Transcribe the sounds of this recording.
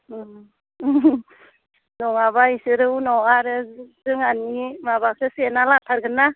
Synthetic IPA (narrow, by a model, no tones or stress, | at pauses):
nɔŋaβaisɯɾɯwnɔŋaɾɯzɯŋanimaβakʰɯsenalatʰaɾɡɯnːa